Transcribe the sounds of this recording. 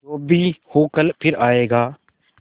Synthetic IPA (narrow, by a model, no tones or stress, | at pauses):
oːbʱihoːkəlpʰɪɾaːeːɡaː